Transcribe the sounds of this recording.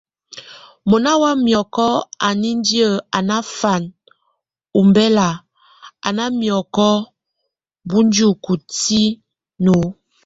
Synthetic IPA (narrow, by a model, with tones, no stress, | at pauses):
mo˨na˦wa˦mjɔ˨kɔ˦a˨ni˦n˦di˦ə˦˨a˨na˦fa˨n | u˨mbɛ˦la˨ | a̰˨na˦mjɔ˨kɔ˦ | bu˦n˦d͡ʒu˦˨ku˨ti˦ | no˨˦